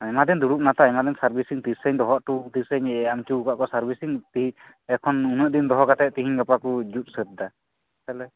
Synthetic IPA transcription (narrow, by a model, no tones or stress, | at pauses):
ɛmad̪ɛnd̪uɾuʔ̚nat̪aɛmad̪ɛnsaɾbisiŋt̪isəɲd̪ɔɦɔʔʈut̪isəɲamt͡ʃuukaʔkɔsaɾbisiŋt̪iɦi | ɛkʰɔnunəʔd̪ind̪ɔɦɔkat̪ɛʔ̚t̪iɦiɲɡapakud͡ʒut̪̚ˀsət̪̚d̪a | t̪alɛ